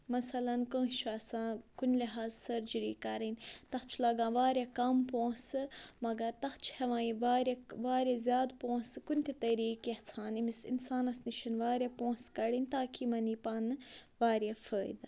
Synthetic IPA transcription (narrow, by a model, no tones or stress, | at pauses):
mɐsɐlɐnkə̃ːt͡ʃʰuɐsãːkunliɦaːzsɐɾd͡ʒiɾiːkɐɾinʲt̪ɐxt͡ʃʰulɐɡãːʋaːɾʲjakɐmpõːsɨmɐɡɐɾt̪ɐxt͡ʃʰhɐʋãːĩʋaːɾʲɐʋaːɾʲɐzʲjaːd̪põːsɨkunʲt̪ʲit̪ɐɾiːkjeht͡sʰaːnimisḭnsaːnɐsniʃʰɐnʋaːɾʲjɐpõːskɐɽinʲt̪aːkimɐniːpanɨʋaːɾjafəːjd̪ɐ